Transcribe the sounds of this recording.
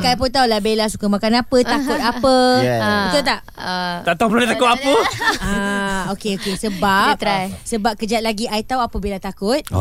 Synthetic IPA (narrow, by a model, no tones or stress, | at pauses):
kaipunt̪̬aulahbelasukamãkanapət̪akʊt̪̚apəbət̪ut̪aʔ̪ | aʔt̪apəloet̪akʊt̪̚apəaokeokesəbap̚t̪ajsəbap̚kəd͡ʒat̪̚laɡiait̪auapəbilat̪akʊt̪̚